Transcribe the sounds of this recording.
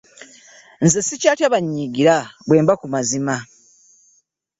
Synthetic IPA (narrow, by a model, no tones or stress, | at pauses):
nzesicaːtjaβaɲːiːɡiɾaβwe̞ːmbakumazima